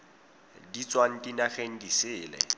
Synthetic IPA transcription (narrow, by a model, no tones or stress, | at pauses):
dit͡sʼwan̩dinaχeŋ̩disɪːlɛ̰